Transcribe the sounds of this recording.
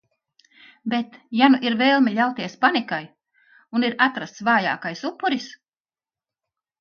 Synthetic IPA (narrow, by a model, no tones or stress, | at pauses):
bet̪januʔiɾveːlˠmʲiʎʲawt̪iɛspanikaj | uniɾat̪ɾast̪svaːja̰ːkajsupːuɾis